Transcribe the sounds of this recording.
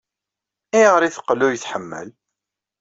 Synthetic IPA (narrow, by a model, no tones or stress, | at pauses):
iʁəɾiθə̥qːlʊjəθħəmːə̰l